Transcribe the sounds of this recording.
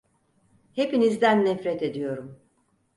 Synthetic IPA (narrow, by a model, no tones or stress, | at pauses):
he̞pinizd̪ænːɛfɾɛt̪e̞d̪ijo̞ɾum